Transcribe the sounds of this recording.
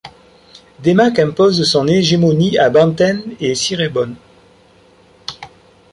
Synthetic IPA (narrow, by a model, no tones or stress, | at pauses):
d̪emakɛ̃pozsɔ̃neʒemɔniabɑ̃t̪ɛnesiʁebɔn